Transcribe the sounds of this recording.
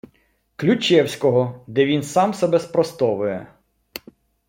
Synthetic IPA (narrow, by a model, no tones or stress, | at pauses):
klʲut͡ʃɛwsʲkɔɦɔd̪ɛʋʲinsɑmsɛbɛspɾɔst̪ɔʋʊjɛ̰